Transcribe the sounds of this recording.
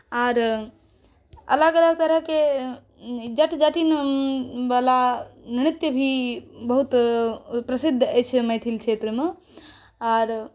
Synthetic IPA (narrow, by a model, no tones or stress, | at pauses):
aːɾ | ɐ̰ləɡələɡ̚t̪əɾəɦke | d͡ʒɐʈd͡ʒəʈin | ʋalaniɽ̃it̪jəbʱibəɦut̪pɾɐsɪd̪ʱːət͡ʃʰmɐjt̪ʰilt͡ʃʰeːt̪ɾəme | aːɾ